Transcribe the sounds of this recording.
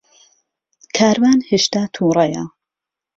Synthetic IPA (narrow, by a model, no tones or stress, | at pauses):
kʰaːɾmaːnheːʃt̪aːt̪ʰuːɾˤɐjɐ̰